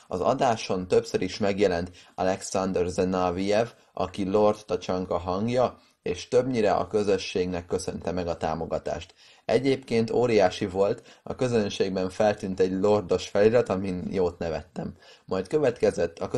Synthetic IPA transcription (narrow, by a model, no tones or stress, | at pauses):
ɒ̰zɒ̰d̪aːʃo̞nt̪ø̞psøɾiʃmɛɡjɛlɛnt̪ɒlɛksɒnd̪ɛrzɛnɒvijɛv | ʔɒ̰kilo̞rt̪ːɒt͡ʃɒŋkɒɦɒŋɡjɒ | eːʃt̪ø̞bɲiɾɛɒ̰kø̞zø̞ʃːeːɡnɛkːø̞sø̞nt̪ɛmɛɡɒt̪a̰ːmo̞ɡɒt̪a̰ːʃt̪ | ɛɟeːpkeːnt̪oːɾijaːʃivo̞lt̪ɒ̰kø̞zø̞nʃeːɡ̚bɛɱfɛlt̪yːnt̪ɛɟlo̞rd̪o̞ʃfɛliɾɛt̪ɒminjoːt̪nɛvɛt̪ːɛmː | ɒjt̪kø̞vɛt̪kɛzɛt̪ːɒkø